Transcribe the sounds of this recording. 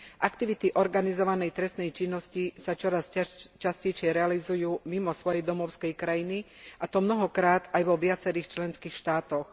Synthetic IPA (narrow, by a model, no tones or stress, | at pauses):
ʔakt̪iʋit̪iʔɔɾɡanizɔʋanɛjt̪ɾɛst̪nɛjt͡ʃinːɔscisat͡ʃɔɾascascɛjʃɪɛɾɛalizujuːmimɔsʋɔjɛjd̪ɔmɔʊskɛjkɾajini | ʔat̪ɔmnɔɦɔkɾaːt̪ajʋɔʋɪat͡sɛɾiːxt͡ʃlɛnskiːxʃt̪aːt̪ɔx